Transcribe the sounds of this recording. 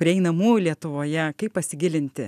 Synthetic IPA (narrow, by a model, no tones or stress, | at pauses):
pʲɾʲiɪɛɪnɐmuːjʊlʲiɛt̪ʊʋoːjɛkɐɪppɐsʲɪɡʲɪlʲɪnʲt̪ʲɪ